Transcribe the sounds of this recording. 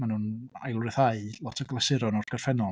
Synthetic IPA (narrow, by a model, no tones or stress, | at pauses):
manuːna̰jlˠrɪθaɨlˠɔtʰəɡlˠasɪɾɔnɔrdɡ̥ərfɛnɔ